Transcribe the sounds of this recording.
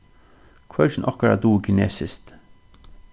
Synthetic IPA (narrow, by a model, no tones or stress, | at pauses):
kʰvœlt͡ʃɪnʔɔhkaɹa̰d̪uːkʰɪneːsɪst̪